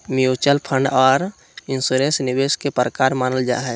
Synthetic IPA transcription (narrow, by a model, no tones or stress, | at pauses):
miut͡ʃəlpʰə̃ɳɖɔːɾ | ɪnsuɾẽnsnibeskepɾəkaːɾmaːnəld͡ʒa̰ːɦɛ